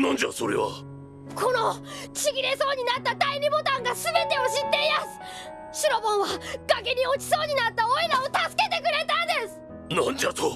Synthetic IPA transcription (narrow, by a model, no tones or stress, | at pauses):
nãɲ̟d͡ʑa̰so̞ɾe̞̰βa̰ | kʰo̞no̞t͡ɕiɡʲiɾe̞so̞ːɲ̟inat̪ːad̪aiɾʲibo̞t̪ãŋɡasɨbe̞t̪e̞o̞ɕit̪ːeimasɨ̥ | ɕiɾo̞bõ̞ɰ̃βaɡ̥akeɲ̟io̞t͡ɕi̥so̞ːɲ̟inat̪ːaoiɾao̞t̪asɨ̥ke̞t̪e̞kɯ̟ɾe̞t̪ãnd̪e̞sɨ̥ | nãɲd͡ʑat̪o